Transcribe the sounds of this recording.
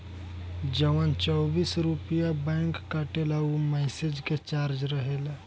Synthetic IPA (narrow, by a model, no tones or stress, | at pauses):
d͡ʒəʋənt͡ʃɔːbiːsɾupijabɛ̃ːŋkːaʈelaumɛsed͡ʒket͡ʃaːɾd͡ʒɾəɦela